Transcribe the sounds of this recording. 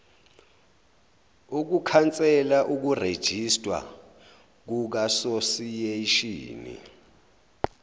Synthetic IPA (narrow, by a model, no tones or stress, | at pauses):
uk̬ukʰant͡sʼɛlaʔuk̬ured̥ʒ̥ʱistʼwa̰ | k̬uk̬asosijeiʃḭːnḭ